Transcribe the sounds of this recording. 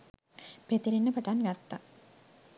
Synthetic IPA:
pet̪iɾinːəpəʈanɡat̪ːa

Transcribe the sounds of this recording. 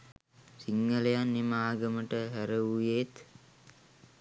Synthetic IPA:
siŋːəlejanːimaːɡəməʈəɦæɾəujet̪

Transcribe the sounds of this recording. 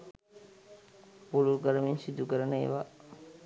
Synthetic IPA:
puluɾkəɾəmiɲsid̪ukəɾənəḛʋa

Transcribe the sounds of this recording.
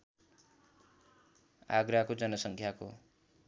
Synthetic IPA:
a̰ɡɾakod͡zʌnʌsʌŋkʰjako

